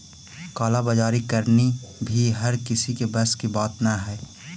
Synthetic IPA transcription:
kaːlabəd͡ʒaːɾikəɾnibʱiɦɐɾkɪsikebɐskibaːt̪naɦɛː

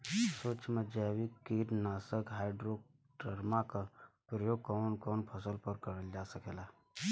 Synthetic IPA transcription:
soːt͡ʃmed͡ʒawikːiɾnaːsəkɦaːɪɖɾoːk̚ | ʈəɾmakapɾəjoːɡ̚kɔːnkɔːnpʰəsəlpəɾkəɾəld͡ʒasəkela

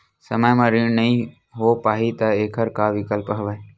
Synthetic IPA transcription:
səməjmãɾinəĩː | ɦoːpaːɦit̪əeːkʰəɾkaːʋɪkəlpɦəʋəe

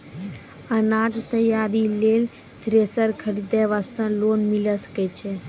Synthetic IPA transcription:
ənaːʈt̪əjaːɾileːl | d̪ɾeːsəɾkʰəɽid̪eʋast̪ə̃loːnmiləsə̥ket͡ʃʰe

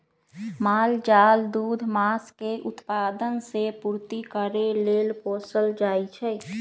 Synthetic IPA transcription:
maːld͡ʒaːld̪uːd̪ʱmaːskeʔʊt̪paːd̪ənsepuːɾt̪ikəɾeleːlpoːsəld͡ʒaːit͡ʃʰɛ

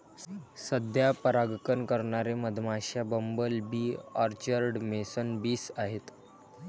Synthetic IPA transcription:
səd̪ʱjapəɾaɡkənkəɾɳaɾeməd̪ʱmaɕabəmbəlbiːaɾt͡ɕəɾɖmesənbiːsaɦet̪

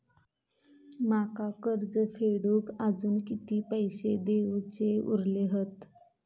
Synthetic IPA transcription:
makakəɾd͡zəfeɽuːkad͡zuːnkit̪iːpəjɕed̪eʋt͡ɕeṵɾleɦət̪

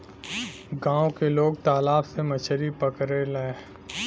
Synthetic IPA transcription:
ɡãːõkeloːɡt̪aːlaːbsemɐt͡ʃʰɾipɐkɾelaeː

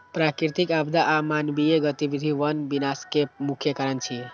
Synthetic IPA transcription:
pɾakɾit̪ikabd̪ʱaʔamanbieɡət̪ibid̪ʱiʋənbinaskemukʰjəkəɾənt͡ʃʰi

